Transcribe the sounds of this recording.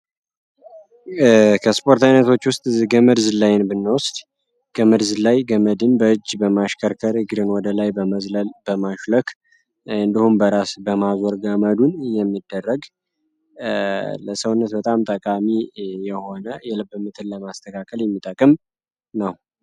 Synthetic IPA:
kʰəspʰo̞ɾt̪ʰajnət̪ʰo̞t͡ʃːwʊst̪ʼɡəmɨdzlajɪnbɨnːəwʊst̪ | ɡ̥əmɨdzlajɡəməd̪ɨnbəɨd͡ʒːbəmaʃkʰəɾkʰəɾɨɡɨd̪ɨnwɔd̪əlajbəməzləlb̥əmaʃləkʰ | ɨnd̪ihumbəɾasbəmazoɾɡəməd̪unjɛmːid̪ːərːəɡ | ləsəwʊnːət̪bət̪ʼamt̪ʼəkʼamijɛho̞nəjɛləbːɨmːɨt̪ʰɨnləmast̪ʰəkʰakʰəljɛmːit̪ʼəkʼːɨm | nəw

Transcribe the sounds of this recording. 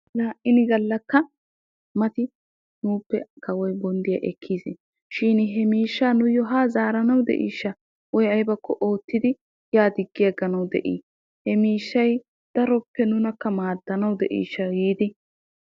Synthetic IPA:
laːʔɪnɪɡɐlːɐkːɐ | mɐt̪ɪ | nuːpːɛkɐwɔjbɔnd̪ɪjɐ̰ʔɛkʰːiːsɪ | ʃɪnɦɛmiːʃːaːnʊjːɔɦaːzaːɾɐnɐwd̪ɛ̰ʔḭːʃːɐ | wɔjɐjbɐkʰːɔʔo̞ːt̪ːɪd̪ɪ | jaːd̪ɪɡːɪjɐɡɐnɐwd̪ɛ̰ʔḭː | hɛmiːʃːɐj | d̪̥ɐɾɔpːɛnʊnɐkːɐmaːd̪ːɐnɐwd̪ɛʔḭːʃːɐjiːd̪ɪ

